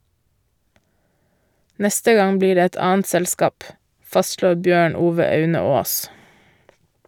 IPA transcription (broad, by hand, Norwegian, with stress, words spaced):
ˈnɛstə ˈɡɑŋ ˈbliːɾ ˈeː ˈɛt ˈɑːənt ˈsɛlskɑːp ˈfɑstʃloːɾ ˈbjøːɳ ˈuːʋə ˈɑʉnə ˈoːs